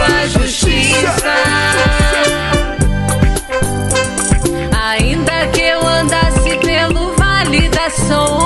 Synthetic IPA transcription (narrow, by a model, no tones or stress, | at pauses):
ɐʒuʃt͡ʃisɐ | aĩd̪ɐkɪewɐ̃nd̪asɪpelʊvalid̪ɐsõ